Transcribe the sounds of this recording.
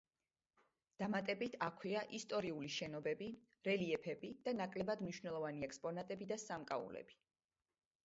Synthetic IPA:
d̪̥amat̪ʼɛbit̪ʰakʰwiaʔist̪ʼɔɾiuliʃɛnɔbɛbi | ɾɛliɛpʰɛbid̪̥anakʼlɛbad̪mniʃwnɛlˠɔvaniɛkspʼɔnat̪ʼɛbid̪asamkʼaṵlɛ̰bi̥

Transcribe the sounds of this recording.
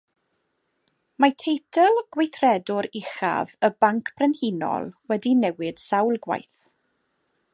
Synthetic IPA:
matʰejtʰɛlˠɡ̥wejθrɛdʊɾɪχa̰vəbaŋkʰb̥ʰrɛnhinɔ̰lˠwɛdinɛwɪd̥sawlˠɡwa̰jθ

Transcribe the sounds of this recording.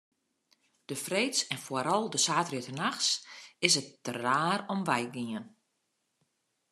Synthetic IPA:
d̥əfreːtsɛnfaɾɔlˠdəsaːtriətənaxsɪs̬ət̚ːəraːɾɔmʋɛjɡiən

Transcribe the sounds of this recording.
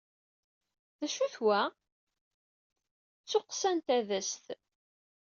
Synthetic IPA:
ðæʃuθwæ | t͡sːʊqsænt̪æðəst̪

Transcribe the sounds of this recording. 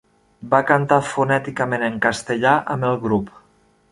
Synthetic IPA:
bakant̪afunɛt̪ikameneŋkast̪eʎaʔə̰melˠɣɾup

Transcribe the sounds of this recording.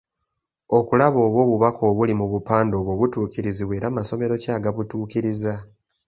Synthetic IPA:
o̞kulaβo̞ːβwo̞ːβuβakʰo̞ːβulimuβupaːndo̞ːβwo̞ːβutuːciɾiziβweːɾamaso̞me̞ɾo̞caːɡaβutuːciɾiza

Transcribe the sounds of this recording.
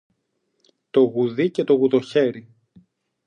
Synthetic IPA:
t̪o̞ɣuðicet̪o̞ɣuðo̞çe̞ɾi

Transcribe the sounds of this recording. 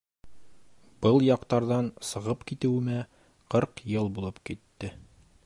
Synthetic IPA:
b̥ɤlˠjɑqt̪ɑɾðɑnsɤ̆ʁɤpkit̪ɘ̆wɘ̆mæ | qɤɾqjɤlˠbulˠɤpkit̪ːɘ

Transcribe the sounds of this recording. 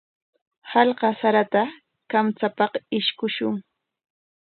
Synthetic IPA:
hɑlɢɑsaɾat̪a | kamt͡sapɑqɪʃkʊʃʊŋ

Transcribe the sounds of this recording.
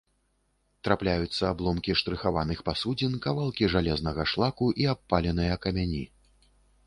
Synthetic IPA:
t̪ɾaplʲajut̪sːɐːblˠɔmkʲiʂt̪ɾɨxavanɨxpasud͡zʲinkavalˠkʲiʐalʲɛznɐɣɐʂlˠakuʔiapːalʲɛnɨjɐkɐmʲanʲi

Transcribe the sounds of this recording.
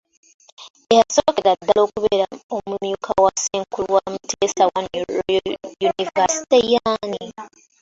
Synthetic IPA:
ehasokeɾad̪aloːkuβeɾaomumjukʰawaseŋkulwamutʰeːsawan | junivasi̥tejani

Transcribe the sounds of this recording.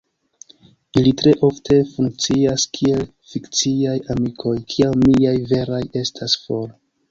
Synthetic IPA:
ilitɾe̞ʔo̞ftʰe̞fuŋk̚t͡siaskʰie̞l | fikt͡siajamikʰo̞jkʰiawmiajve̞ɾaje̞stʰasfo̞ɾ

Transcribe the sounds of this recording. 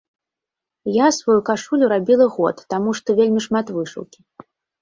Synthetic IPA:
jasvajukaʂulʲuɾabʲilˠɐɣɔ̰t̪ːamuʂt̪ɔvʲelʲmʲiʂmat̪vɨʂṵwkʲi

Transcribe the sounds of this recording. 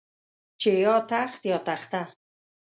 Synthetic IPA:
t͡ʃʰejɒːt̪ʰaχt̪jɒːt̪ʰaχt̪a

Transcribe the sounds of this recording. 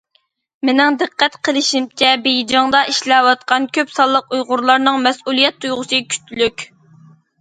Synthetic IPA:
mɪnɪŋd̪ɨqʰːɛt̪qʰəlˠɪʃimt͡ʃʰɛbejd͡ʒɑŋd̪ɑʔiʃlɛwɑt̪qʰɑnkʲʰøpsɑlˠːəqujʁʊɾlˠɑɾnɨŋmɛsulˠijɛt̪ʰːujʁʊsɨkʲʰy̥t̪ʰːylykʲ

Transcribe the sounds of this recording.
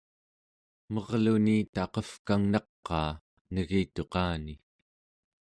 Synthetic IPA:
mʌʁlunit̪ɑqʌfkaŋnɑqːɑː | nəɣiːt̪o̞qɑːni

